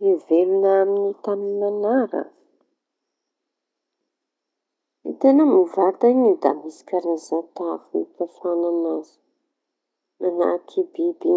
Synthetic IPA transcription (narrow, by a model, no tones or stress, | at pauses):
ivelunaminit̪aminanaɾə̰ | ḭt̪enəmuvaɾt̪anid̪a̰misi̥kʲaɾazat̪avuḭpafananazu̥ | mana̰kʰibibi